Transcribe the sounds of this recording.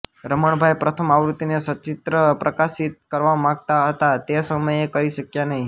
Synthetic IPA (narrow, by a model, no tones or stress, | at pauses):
ɾəməɳbʱajpɾət̪ʰəmaʋɾut̪inesət͡ʃɪt̪ɾəpɾʔəkaʃit̪̚kəɾʋamãɡ̚t̪aɦət̪at̪esəməjekəɾiʃəkjanəɦĩ